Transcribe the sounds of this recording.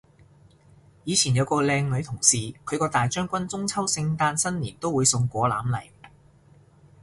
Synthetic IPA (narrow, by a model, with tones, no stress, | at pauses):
jiː˨˧t͡sʰiː˨˩njɐ˨˧wkɔː˧lɛː˧ŋlɵ˨˧ɥt̪ʰʊ˨˩ŋsiː˨˩kʰɵ˨˧ɥkɔː˧t̪aː˨˩jt͡ʃœː˥ŋkʷɐ˥nt͡sʊ˥ŋt͡sʰɐ˥wsɪ˧ŋt̪aː˧nsɐ˥nliː˨˩nt̪o˥wuː˨˧jsʊ˧ŋkʷɔː˨˧la̰ː˨˥mlɐ˨˩j